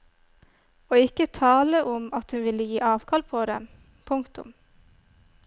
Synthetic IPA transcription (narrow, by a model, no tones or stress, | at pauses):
oːɪkət̪ʰɑːləʔʊmɑt̪hʉnʋɪləjiːʔɑːʋkʰɑlpʰoːd̪ɛ̰m | pʰʊŋkt̪ʊ̰m